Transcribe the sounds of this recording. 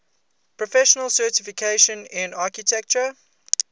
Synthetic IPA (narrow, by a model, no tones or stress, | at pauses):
pʰɹɔfɛʃənəlˠsɜːˑtɪfɪkʰeʃə̃nɪ̃nakitʰɛk̚t͡ʃə